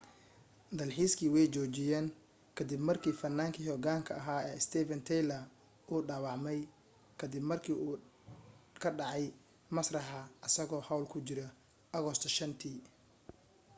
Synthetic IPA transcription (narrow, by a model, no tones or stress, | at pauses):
d̪ɐlħiːskʰiːwɛjt͡ʃɔːt͡ʃɪjɛːŋ | kʰɐd̪ɪbmɐrkʰiːfɐnːaːŋkʰiːhɔːɡaːŋkʰɐɐɦaːɛːɪst̪ʰɛːvɐnt̪ʰɛjlɐ | ʔuːɖaːwɑʕmɛj | kʰɐd̪ɪbmɐrkʰiːuː | kʰɐɖɑʕɑj | mɐsrɐħɐʔɐsɐɣɔːhɐwlkʰʊt͡ʃɪɾɐ | ʔɐɣɔst̪ʰɔʃɐnt̪ʰiː